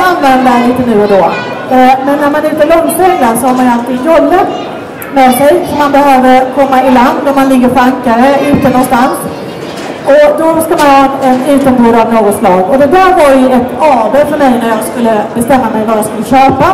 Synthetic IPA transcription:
anːvɛnd̪aliːt̪ənʉ̟ːɔd̪oː | mɛnːæɾmanɪt̪əɭɔŋːt̪ʰɛŋːaɾsɔhaɾmanalt̪ʰɪɡnjɔlːat̪ | mɛsɛjɔmanbɛɦøːvəɾkʰɔmːaɪland̪ːæɾmanlɪɡːəɾfaŋkaɾəʉ̟ːt̪ənɔnst̪ans | ɔd̪ɔskamanhɑɛnʉ̟ːt̪ənbuːɾavnoːɡɔt̪slɑːɡɔd̪ɛd̪æːɾvaɾjɵɛt̪ɑːbeːfœɾmɛjnæɾjaɡskɵlːəbɛst̪ɛmːamɛjvajaskɵlːəɕøːpa

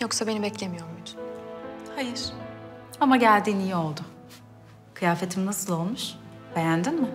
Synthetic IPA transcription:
jo̞ksabe̞nibɛclʲe̞mijo̞ɾumbit̪ʰy̥nhajiɾ̥ | amaɟælʲd̪iːnijio̞lˠd̪ʊ | kʰɯjaːfe̞t̪ʰimnasɯlˠo̞lˠmuʃb̥e̞jænd̪inmɪ

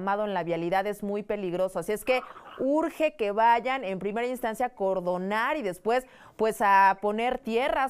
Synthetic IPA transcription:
mað̞o̞enlaβjaliðaðe̞zmujpe̞liɣɾo̞soasje̞ske̞uɾxe̞ke̞βaʝane̞mpɾime̞ɾainst̪ansjaːko̞ɾðo̞naɾiðe̞spwe̞s | pwe̞sapo̞ne̞ɾt̪je̞ra

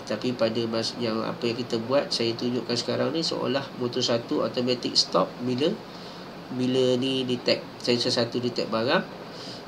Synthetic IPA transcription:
t̪apipadamasjaŋa̰pajaŋkit̪abuat̪̚sajat̪uɲd͡ʒʊʔkansə̥kaɾaŋniso̰ʔo̰lahmut̪usat̪uo̰t̪omat̪ɪk̚st̪ɔp̚bilə | bilənidit̪ɛk̚sajasəsat̪udit̪ɛk̚baɾaŋ

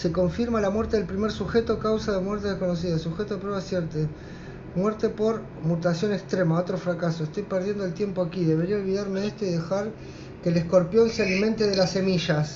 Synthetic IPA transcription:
se̞ko̞ɱfiɾmalamweɾt̪e̞ðe̞lpɾime̞ɾsuxet̪o̞kawsaðemwɛɾt̪e̞ðehko̞no̞s̬iðasuxet̪oðepɾeβasjeɾt̪e | mwɛɾt̪e̞po̞ɾ | mut̪asjo̞nekst̪ɾemao̞t̪ɾo̞fɾakaso̞est̪o̞jpeɾð̞je̞nd̪oelt̪je̞mpo̞akiðe̞βe̞ɾiaolβiðaɾmeest̪oiðexaɾ | kelesko̞ɾpjo̞nsealimẽ̞nt̪eðe̞lase̞miʃas

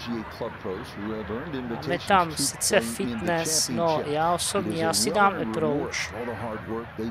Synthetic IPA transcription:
kʰlʌpʰo | ammɛt̪amsɪt͡sɛfɪt̪nɛsnojaːosobɲɛjaːsɪdaːməpɾowt͡ʃɦɑd̚wə˞

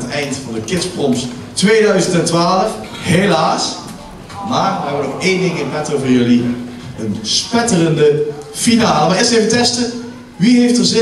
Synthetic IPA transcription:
ətɛjntfɑndəkɪtsprɔms | tʋejdœɥzəntɛntʋaːləf | ɦelaːs | maːɹʋɛbənɔχejndɪŋɪnvɛtovəːɹjɵli | ənspɛtələndə | finaːləmaɪːɹstejvətɛstə | ʋiɦejftəɹzɪ

